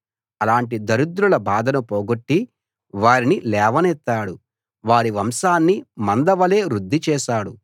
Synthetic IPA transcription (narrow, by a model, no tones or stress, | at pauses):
ɐlaːɳʈ̬id̪ɐɾud̪ɾulɐbʱaːd̪ɐnupoːɡoʈːi | ʋaːɾinilɛːʋɐnɛt̪ːaːɽu | ʋaːɾiʋɐmʃaːnːimɐnd̪ɐʋɐle̞ːɾud̪ʱːit͡ʃɛːʃaːɽu